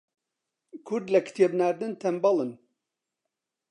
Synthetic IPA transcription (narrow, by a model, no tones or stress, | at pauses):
kʰʊɾd̪lɐkʰɨ̥t̪ʰebnaːɾd̪ɨnt̪ʰɐmbɑlˠɨn